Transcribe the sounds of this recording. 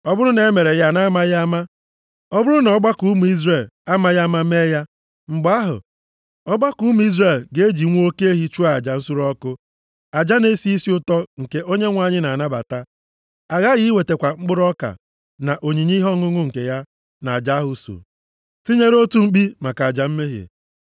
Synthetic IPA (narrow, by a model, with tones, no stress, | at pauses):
ɔ˦bʊ˦ɾʊ˦ne˨e˦me˨ɾe˨ja˦na˦ma˦ja˦ma˦ | ɔ˦bʊ˦ɾʊ˦nɔ˨˦ɡ͡ba˦ku˦mu˨i˦zre˨la˦ma˦ja˦ma˦me˦ja˦ | ŋ͡m̩˨ɡ͡ba˦ɦʊ̰˨ | ɔ˦ɡ͡ba˦ku˦mu˨˦i˦zɾe˨lɡe˦d͡ʒi˨ŋʷ˦o˦ke˦e˦ɦi˦t͡ʃu˦a˨d͡ʒa˨n̩˦sʊ˦ɾɔ˦kʊ˦ | a˨d͡ʒa˦ne˦si˦i˦si˦ʊ˦tɔ˦ŋ̩˨ke˦ʔo˦ɲe˦ŋʷa˨ɲɪ˦na˨a˨na˦ba̰˨ta˦ | a˨ɣa˦ɣi˦we˨te˨kʷa˨ŋ͡m̩˦ɡ͡bʊ˦ɾɔ˦ka̰˨ | na˨ʔo˨ɲi˨ɲi˦ɦɔ˦ŋʊ˦ŋʊ˦ŋ̩˨ke˨ja˦ | na˨a˨d͡ʒa˦ɦʊ˨so̰˨ | ti˦ɲe˦ɾo˦tu˦ŋ͡m̩˦k͡pi˦ma˨ka˨d͡ʒa˨m̩˦me˦ɦḛ˨